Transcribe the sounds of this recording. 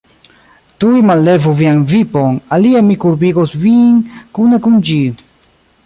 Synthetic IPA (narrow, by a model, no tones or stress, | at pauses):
tujmalːe̞vuvianvipo̞naliamikuɾbiɡosvinkunekund͡ʒi